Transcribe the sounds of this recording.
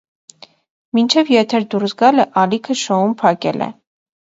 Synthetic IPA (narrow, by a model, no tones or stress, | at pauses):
mint͡ʃʰɛvjɛt̪ʰɛɾd̪uɾsɡɑləʔɑlikʰəʃɔumpʰɑkɛ̰lʔɛ̰